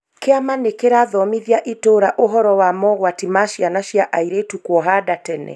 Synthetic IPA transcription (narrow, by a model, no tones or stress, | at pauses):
keamanekeɾaðɔmiðjaʔitoːɾaʔoɦɔɾɔwamɔɣwatimaʃjanaʃjaʔaiɾetukwɔɦadatɛnɛ̰